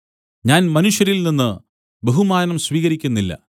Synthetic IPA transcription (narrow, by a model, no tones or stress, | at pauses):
ɲaːnmɐnuʂjɐɾilninːɨ | be̞ɦumaːnɐmsʋiːɣɐɾikʲːunːilːɐ̰